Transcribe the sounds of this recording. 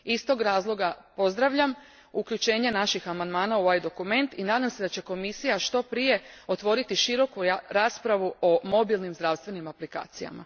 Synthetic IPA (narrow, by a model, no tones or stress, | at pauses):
ist̪o̞ɡɾaːzlˠoɡapo̞zd̪ɾaʋʎam | ukʎut͡ʃe̞ːɲe̞naʃixamand̪maːnauʋajd̪o̞kume̞nt̪inaːd̪amse̞d̪at͡ɕe̞ko̞misijaʃt̪o̞pɾije̞o̞t̪ʋo̞ɾit̪iʃiɾo̞kuɾaːspɾaʋuʔomo̞bilˠnimzd̪ɾaʋst̪ʋe̞nimaplika̰ːt̪sija̰ma̰